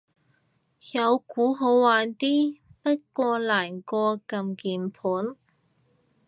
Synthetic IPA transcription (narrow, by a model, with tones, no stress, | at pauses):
jɐ˨˧wkuː˨˥ɦo˨˧wwaː˨nt̪iː˥pɐ˥t̚kɔː˧laː˨˩nkɔː˧kɐ˧mkiː˨npʰuː˨˥n